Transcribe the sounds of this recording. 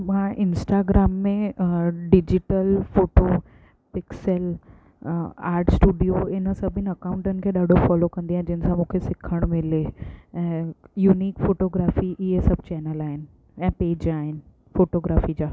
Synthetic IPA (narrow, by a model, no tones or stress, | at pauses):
mãːʔɪnsʈaːɡɾaːmːẽɖɪd͡ʑɪʈəlfoːʈo | pɪksəl | a̰ːɾʈsʈuːɖijoɪnəsɐ̃bʱɪnɐkãʊ̃ɳʈənɪ̆kʰeːɗaːɖʱofɔːlokɐ̃nd̪iãɦd͡ʑɪɪnə̆sãmũːkʰesɪkʰəɽ̃mɪleɛ̃ːjuːniːkfoːʈoːɡɾaːfiʔɪɦesɐb̚ʱt͡ɕɛːnəlaːɦɪnɪ̆ | ɛ̃ːpeːd͡ʑaːɦɪnɪ̆ | foːʈoːɡɾaːfid͡ʑaː